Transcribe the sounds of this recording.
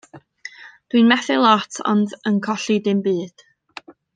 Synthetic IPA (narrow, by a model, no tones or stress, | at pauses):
d̥winmɛθɪlˠɔtʰɔ̰ndənkʰɔɬidɪmbɨːd̥